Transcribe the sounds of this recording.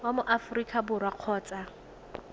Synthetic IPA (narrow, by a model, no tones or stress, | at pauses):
wamʊʔafʊrikʼabʊrwaq͡χʰɔːt͡sʼa